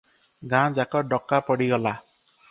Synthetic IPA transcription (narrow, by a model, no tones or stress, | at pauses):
ɡãd͡ʒakɔɖɔkːapɔɽiɡɔla